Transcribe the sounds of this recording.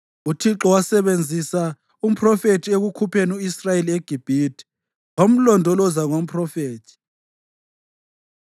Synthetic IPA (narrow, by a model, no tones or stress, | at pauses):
utʰiǁɔwasɛβend͡zʱisa | um̩pʰrɔfetʰieɣukʰupʰenuisrajelieɡ̥ʱib̥ʱidi̥ | om̩lɔndʱɔlɔzaŋom̩pʰʼrɔfeːtʰi̥